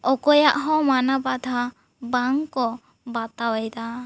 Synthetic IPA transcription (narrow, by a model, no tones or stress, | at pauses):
ɔkɔjaʔɦɔ̃manabad̪ʱa | baŋkɔ | bat̪awajd̪a